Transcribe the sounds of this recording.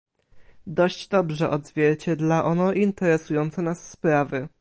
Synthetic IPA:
d̪ɔɕd͡ʑd̪ɔbʐɛʔɔd̪zvʲjɛɾt͡ɕɛd̪laʔɔnɔʔint̪ɛɾɛsujɔnt̪sɔnasːpɾavɘ

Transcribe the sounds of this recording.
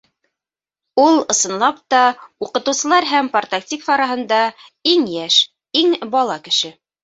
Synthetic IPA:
ulˠɤ̆sɤ̆nlˠɑp̚t̪ɑuqɤ̆t̪ɤ̆wsɤ̆lˠɑɾɦæmport̪akt̪ʲikfɑɾɑɦɤ̆nd̪ɑiŋjæʃ | iŋbɑlˠɑkɘ̆ʃɘ

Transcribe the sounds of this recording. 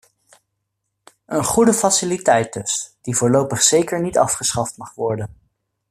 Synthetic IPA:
ənχudəfasɪlitɛjd̚dɵsd̥ivʊːɹlowpəχsejkəɹnitɑfχəsχɑftmɑχʋɔɹdən

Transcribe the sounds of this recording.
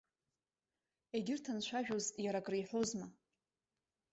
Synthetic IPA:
eɡʲɪrtʰanʃʷʰaʒᶣozjaɾakʼriħʷozma

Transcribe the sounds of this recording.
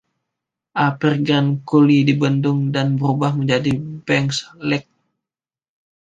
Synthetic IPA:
ʔapirɡɾankulidibəndʊŋdanbəɾubahməɲd͡ʒadibɛŋkslɛk̚

